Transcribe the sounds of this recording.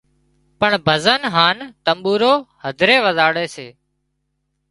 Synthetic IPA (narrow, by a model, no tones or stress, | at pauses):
pəɳbʱəzənɦaːnt̪əmɓuːɾoːhəd̪ʱɾeːʋəzaːɽeːseː